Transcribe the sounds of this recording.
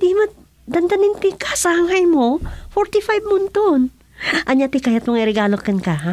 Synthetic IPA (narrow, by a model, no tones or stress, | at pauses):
d̪imɐ | d̪ɐnd̪ɐnɪŋt̪ɪkḁsɐʔaŋɦɐjmofoɹt̪ɪfajbmʊnt̪on | ʔɐɲat̪ɪkajɐt̪mɐŋaɪɾɛɡaːlokɐnkaha